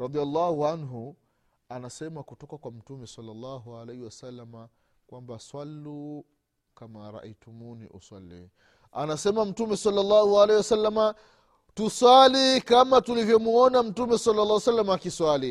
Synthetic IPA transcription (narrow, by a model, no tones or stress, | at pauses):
ɾɑd̪ialˤːɑhuanɦu | anasɛmakutɔkakwam̩tumɛsalːɑlːɑɦualɛhiwasalːama | kwambaswalːu | kamaɾa̰ʔitumunḭʔṵswa̰lːḭ | a̰nasɛmam̩tumɛsalːalːɑːhualɛhiwasalːama | tuswalikamatulivjɔmuɔnam̩tumɛsalːalːaːwasalːamaːkiswali